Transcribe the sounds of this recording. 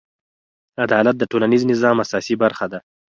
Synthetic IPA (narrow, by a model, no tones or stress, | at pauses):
ad̪ɑlat̪̚d̪əʈolaniznɪzɑmasɑsibaɾxad̪a